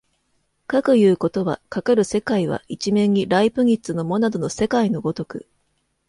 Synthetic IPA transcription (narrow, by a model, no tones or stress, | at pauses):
kakɯ̟jɯ̟ːko̞t̪o̞βa̰kakaɾɯ̟se̞kaiβ̞a̰it͡ɕimẽ̞ɲːiɾaipɯ̟it͡sɨno̞mo̞nad̪o̞no̞se̞kaino̞ɡo̞t̪o̞kɯ̟̰